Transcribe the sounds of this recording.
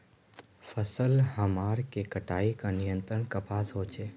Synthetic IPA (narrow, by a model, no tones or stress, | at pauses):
fʰəsəlɦəmaːɾkekəʈaːikãnijə̃nt̪ɾəɳkəpaːsɦot͡ʃʰe